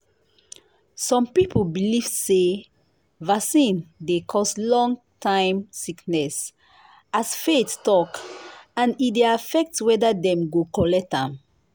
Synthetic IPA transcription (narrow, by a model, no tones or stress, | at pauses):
sɔ̃mpipolbiliv̥se | vasĩndekʰɔstlɔ̃ŋ | tʰãɪ̃msiknɛs | asfettɔkãnideafɛk̚twɛdadɛ̃mɡokɔlɛtãm